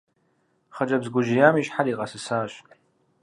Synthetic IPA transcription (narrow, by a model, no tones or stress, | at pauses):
χɐʈ͡ʂʼɐbzɡʷʊʒijaːmiʃħaɾiqʼɐsɨsaːɕ